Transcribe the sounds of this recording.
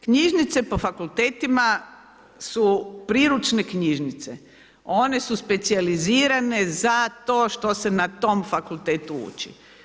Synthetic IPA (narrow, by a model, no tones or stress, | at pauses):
kɲiʒnit̪se̞po̞fakulˠt̪eːt̪ima | supɾiːɾut͡ʃne̞kɲiʒnit̪se̞ | o̞ne̞suspe̞t̪sializiːɾane̞zat̪o̞ːʃt̪ose̞nat̪o̞mfakult̪eːt̪uṵːt͡ʃḭ